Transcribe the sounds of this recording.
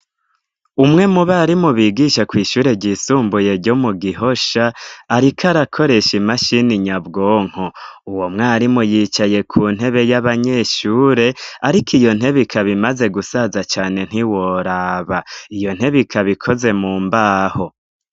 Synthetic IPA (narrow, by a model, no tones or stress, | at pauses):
umŋe̞muβaɾimuβiːɡiʃakwiːʃuːɾe̞ɾɟisuːmbuje̞ɾɟo̞muɡiho̞ʃaːɾikʰaɾakʰo̞ɾe̞ʃimaʃiniɲabɡoːŋ̥houwomŋaːɾimujiːt͡ʃaje̞kʰuːn̥he̞βe̞jaβaɲe̞ːʃuːɾe̞aɾikʰijo̞n̥ɦe̞βikʰaβimaze̞ɡusazat͡ʃaːne̞n̥iwo̞ɾaβaijo̞n̥he̞βikʰaβikʰo̞ze̞muːmbaːho̞